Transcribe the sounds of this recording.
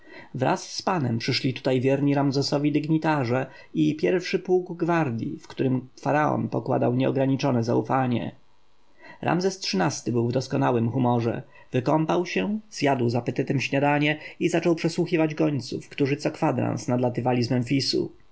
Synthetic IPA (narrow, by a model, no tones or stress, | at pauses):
vɾa̰sːpanɛmpʂɘʂlʲit̪u̥t̪ajvʲjɛɾɲiɾamzɛsɔvʲid̪ɘɡɲit̪aʐɛ | ipʲjɛɾfʂɘpuɡɡvaɾd̪ʲjḭfkt̪uɾɘmfaɾaɔ̰npɔkwa̰d̪awɲɛɔɡɾaɲit͡ʂɔnɛza̰ufaɲɛ̰ | ɾʔa̰mzɛstʂɘnast̪ɘbɘwvd̪ɔskɔnawɘmxumɔʐɛ̰ | vɘkɔmpawɕɛz̥jad̪wzapɛt̪ɛt̪ɛmɕɲad̪aɲɛizat͡ʂɔwpʂɛswuxʲivad͡ʑɡɔɲt̪sufkt̪uʐɘt̪sɔkfad̪ɾã̰nsnad̪lat̪ɘvalʲizmɛnfʲisṵ